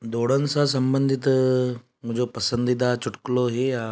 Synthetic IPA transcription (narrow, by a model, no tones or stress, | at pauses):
d̪oːɽənsasɐmbə̃nd̪ʱɪt̪ | mʊd͡ʒopɐsə̃nd̪it̪̬at͡ʃʊʈkloɦea